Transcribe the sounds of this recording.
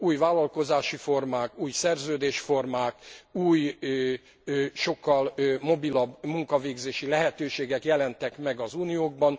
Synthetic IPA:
uːjvaːlːɒlko̞zaːʃifo̞rmaːkuːjsɛrzøːd̪eːʃfo̞rmaːkuːj | ʃo̞kːɒlmo̞bilɒbmuŋkɒveːɡzeːʃilɛɦɛt̪øːʃeːɡɛkjɛlɛnt̪ɛkmɛɡɒzuːnijoːɡ̚bɒn

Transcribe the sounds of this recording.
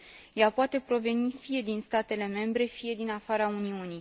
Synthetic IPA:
japoat̪e̞pɾo̞ve̞nifije̞d̪inst̪at̪e̞le̞me̞mbɾe̞fije̞d̪inafaɾauniuni

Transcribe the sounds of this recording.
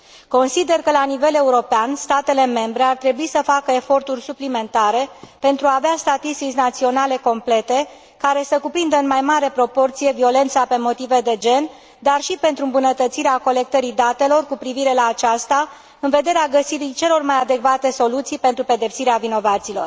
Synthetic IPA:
ko̞nsid̪e̞rkəlanive̞le̞uɾo̞peanst̪at̪e̞le̞me̞mbɾe̞art̪ɾe̞buisəfakəefo̞rt̪urʲsuplime̞nt̪aɾe̞pe̞nt̪ɾuaːveast̪at̪ist̪it͡ʃʲnat̪sio̞nale̞ko̞mple̞t̪e̞ | kaɾe̞səkupɾind̪əɨnmajmaɾepɾo̞po̞rt̪sije̞vio̞le̞nt̪sape̞mo̞t̪ive̞d̪e̞d͡ʒe̞n | d̪arʃipe̞nt̪ɾuɨmbunət̪ət̪siɾeako̞le̞k̚t̪əɾid̪at̪e̞lo̞rkupɾiviɾe̞laːt͡ʃast̪a | ɨnve̞d̪e̞ɾeaɡəsiɾit͡ʃe̞lo̞rmajad̪e̞kvat̪e̞so̞lut̪sijpent̪ɾupe̞d̪e̞psiɾeavino̞vat̪siːlo̞̰r

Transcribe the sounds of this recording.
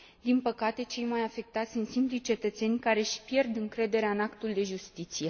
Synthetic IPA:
d̪inpəkat̪e̞t͡ʃe̞jmajafe̞k̚t̪at̪sʲsunt̪simplit͡ʃe̞t̪ət̪se̞nʲkaɾe̞ʃpje̞rd̪ɨŋkɾe̞d̪e̞ɾeaɨnakt̪uld̪e̞ʒust̪it̪sije̞

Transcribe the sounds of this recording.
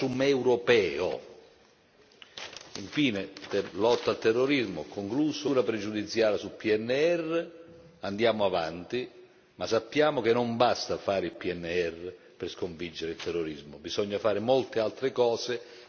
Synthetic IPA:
umɛwɾopɛːo̰ | ḭɱfiːnet̪elɔt̪ːalt̪ɛrːoɾizmokoŋkluːsʊuːɾapɾɛd͡ʒud̪it̪sjaːɾasulpiɛnːeɛrːe | and̪jaːmoava̰nt̪i | masːapːjaːmok̟enːombast̪afaːɾɪilpiɛnːeɛrːe | perskoɱvid͡ʒːeɾɪilt̪ɛrːoɾizmʊbisɔɲːafaːɾɪmolt̪ealt̪ɾekɔːse

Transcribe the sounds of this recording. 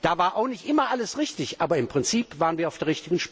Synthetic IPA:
d̥aːvaːɐʔaʊxnɪçtʔɪmɐʔaləsʁɪçtɪçʔaːbɐɪmpʁ̥ɪnt͡siːpv̥aːʁənviːɐaʊfd̥eːɐʁɪçtɪɡən̩ʃp

